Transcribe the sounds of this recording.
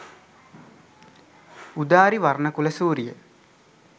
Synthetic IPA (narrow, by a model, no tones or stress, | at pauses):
ud̪aːɾiʋarnəkuləsuːɾijə